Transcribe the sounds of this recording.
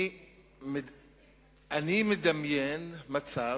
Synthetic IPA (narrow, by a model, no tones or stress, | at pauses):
m | animed̪amjenmat͡sa